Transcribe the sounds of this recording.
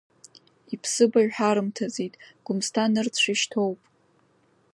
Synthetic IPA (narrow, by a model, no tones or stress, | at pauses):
ipʰsɨbaɥħaɾɨmtʰazejtʼɡ̥ʷʊmstʰanɨrt͡sʷʰiʃtʰo̞wpʼ